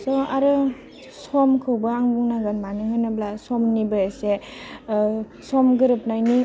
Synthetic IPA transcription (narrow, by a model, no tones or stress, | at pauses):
sɔaɾɯ | sɔmkʰɯwbɯaŋbuŋnaɡanmanihojnablasɔmnibɯjase | sɔmɡɯɾɯp̚najni